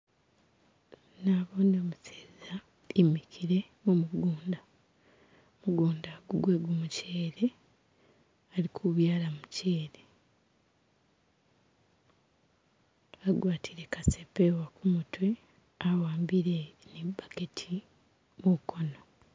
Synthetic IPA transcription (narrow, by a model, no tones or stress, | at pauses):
naβoːnoːmuseːza | imikʰiɾe̞ | mumuɡuːnda | muɡuːndaːɡuɡwe̞ɡumuceːɾe | alikʰuβjaːlamuceːɾe | aɡwaːtʰiɾe̞kasepewakumutwe | awaːmbiɾenebaketʰi | mukʰo̞no